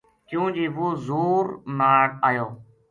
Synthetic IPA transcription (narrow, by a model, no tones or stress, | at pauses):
kjũːd͡ʒiːʋoːzuːɾnaːɽaːjoː